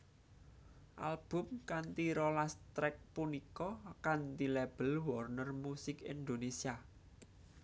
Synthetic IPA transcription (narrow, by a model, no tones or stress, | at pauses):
ʔa̰lb̥ʊ̤mkant̪iɾolast̪ɾɛk̚punikɔkant̪ilɛb̥ə̤lwɔrnərmusɪkind̪onesia